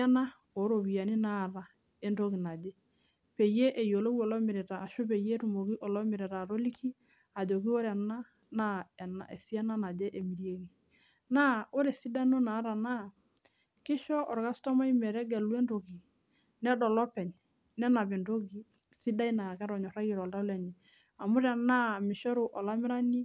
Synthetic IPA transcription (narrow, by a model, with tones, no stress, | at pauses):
a˦na˦ | o˨˦ɾo˨bi˨ja˨ni˦na˦˨ɾa˨ | e˦ndo˦ki˨na˨d͡ʒɛ˦ | pe˨je˦ʔe˨jo˨lo˦ki˦ɔ˨lɔ˦mɪ˨ɾɛ˨taː˨ʃo˦pe˨je˦tu˨mo˨ki˦ʔɔ˨lɔ˦mɪ˨ɾɛ˨ɾa˨ɾo˦li˦kʰi˦ | a˨d͡ʒo˨ki˦o˦ɾɛ˨na˦ | na˦ɛ˨na̰˨ɛ̰˨si˦a˦na˦na˨d͡ʒɛ˦ʔe˨mi˨ɾje˦ki˨ | na˦o˦ɾɛ˨si˦da˦no˦na˨˦ɾa˨na˦˨ | kɪ˦ʃɔ˦ʔɔ˨ɾɡa˦stɔ˦ma˦i˦mɛ˨ɾɛ˦ɡɛ˨lu˦ɛ˦ndo˨ɡi˨ | nɛ˦dɔ˨lɔ˦pɛ˨ɲ | nɛ˦na˨bɛ˨ndo˦ɡi˨ | si˦da˦i˦na˨kɛ˦ɾɔ˨ɲɔ˨ɾa˦ji˨ɾɔ˨lda˦lɛ˨ɲɛ˨ | a˨mʊ˦ɾɛ˨na˦˨mɪ˨ʃɔ˦ɾʊ˨ʔɔ˨la˦mɪ˦ɾa˦ni˦